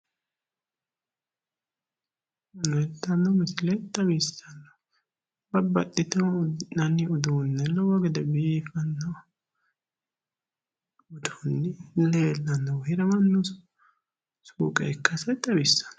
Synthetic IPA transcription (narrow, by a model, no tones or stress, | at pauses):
nɛt̪ːɐnːɐmɪsɪlɛt̪ːɐbisɐnːɐ | bɐbɐt̪ːɪt̪ɐnɐnɪʊd̪uːnːɛlɔwɔɡɛd̪ɛbiːfɐnːɐw | ʊd̪unːɪleːlːɐnːɐwhɪɾɐmɐnːʊs | suːkʼɛ̰kːɐsɐjt̪ʼːɐɾɪsɐ̥n